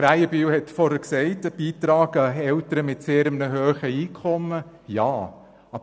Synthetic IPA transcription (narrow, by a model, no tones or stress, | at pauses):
ɾæɪəbiwhɛtfɔɾhəksɛɪtb̥iːt̪ɾɑːɡəɛltəɾəmɪtseːɾəmnəɦøːχəiːkʰɔmːə | jɑː | ɑ